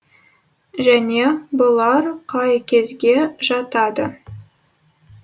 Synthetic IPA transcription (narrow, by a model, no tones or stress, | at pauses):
ʒæne̞bʊlˠɑɾqʰɑjkʲʰe̞zɡʲe̞ʒɑt̪ɑd̪ə